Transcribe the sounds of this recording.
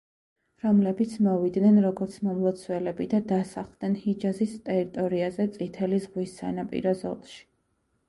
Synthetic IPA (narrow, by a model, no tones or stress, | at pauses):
ɾɔmlɛbit̪sʰmɔvid̪nɛnɾɔɡɔɾt̪sʰmɔmlˠɔt̪sʰwɛlɛbid̪ad̪asaχlˠd̪nɛnhid͡ʒazist̪ʼɛɾit̪ʼɔɾiazɛt̪sʼit̪ʰɛlizʁwisːa̰napʼḭɾɔzɔ̰lˠʃi̥